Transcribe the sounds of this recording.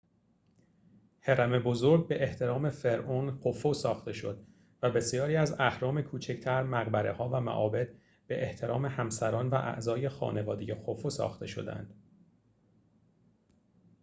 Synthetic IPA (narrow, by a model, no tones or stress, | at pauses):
heɾæme̞bozoɾɟ̚be̞ʔeht̪ʰe̞ɾɒːme̞fe̞ɾʔonxʰofosɒːxt̪e̞ʃo̞̰d̪̥ | væbe̞sijɒːɾiːæzæhɾɒːme̞kʰuːt͡ʃʰecʰt̪ʰæɾmæɣbæɾe̞hɒːvæmæ̰ʔɒːbe̞d̪̥̚ | b̥e̞ʔeht̪ʰe̞ɾɒːme̞hæmsæɾɒːnvæʔæ̰ʔzɒːje̞xɒ̰ːne̞vɒːd̪ejexʰofosɒ̰ːxt̪ʰe̞ʃo̞̰d̪æ̰nd̪̥